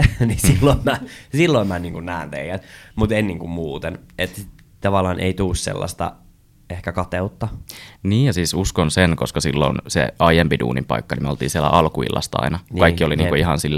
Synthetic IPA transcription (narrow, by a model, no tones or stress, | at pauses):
nisilːoimmæsilːoimmænniːŋkunnæːnt̪ḛiæt̪mut̪ennːiːŋkummuːt̪enet̪i | t̪ɑʋɑlːˑɑːnʔeit̪uːssḛlːɑ̰st̪ɑ̰ | ehkækɑt̪eut̪ːɑniːjjɑsiːsuskonsenkoskɑsilːo̰nsḛɑijempidṵːnimpɑ̰ikːɑnimolt̪iːnsielæ̰ʔɑlkuḭlːɑ̰st̪ɑɑ̰inɑnkɑikːioliniːkuihɑnsilːæ